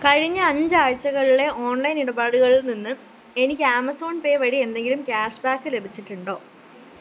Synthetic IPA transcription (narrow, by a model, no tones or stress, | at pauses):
kɐɻiɲːɐɐɲd͡ʑɨaːɻt͡ɕːɐɣɐɭiɭe̞ʔo̞ːnlɐjniɽɐbaːɽuɣɐɭilninːɨ | e̞nikʲːɨaːmɐso̞ːnpe̞ːʋɐɻiend̪e̞ŋɡilumkʲaːʂbaːkːɨle̞bʱit͡ɕːiʈːuɳɖo̞ː